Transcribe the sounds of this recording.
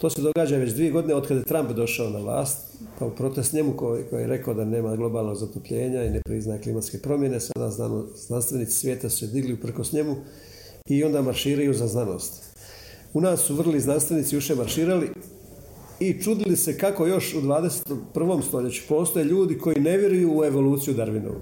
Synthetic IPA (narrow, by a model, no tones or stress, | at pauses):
t̪o̞ːse̞d̪o̞ɡaːd͡ʑaʋe̞t͡ɕd̪ʋije̞ɡo̞d̪ineod̪kad̪je̞t̪ɾampd̪o̞ʃaonaʋlˠa̰ːst̪ | paupɾo̞t̪e̞st̪ɲe̞mukokojḭjeɾʔe̞kaod̪ane̞ːmaɡlˠo̞baːlˠno̞ɡzat̪opʎe̞ːɲainepɾiznajeklimat̪ske̞pɾo̞mje̞nesa̰d̪a̰zanoznanst̪ʋe̞nit̪si̥sʋje̞ːt̪asu̥sed̪iɡliupr̩ko̞sɲe̞mu | io̞nd̪aːmaɾʃiːɾajuzaznano̞̰ːst̪ | unaːsːuʋr̩liznanst̪ʋe̞niːt̪sijuʃe̞maɾʃiːɾali | it͡ʃud̪ilise̞kako̞jo̞ʃud̪ʋaːd̪eset̪opr̩ʋo̞ːmst̪o̞ʎe̞t͡ɕu̥po̞ːst̪ojeʎuːd̪ikʰo̞jine̞ʋjeɾujuːe̞ʋo̞luːt̪sijud̪aɾʋino̰ʋṵ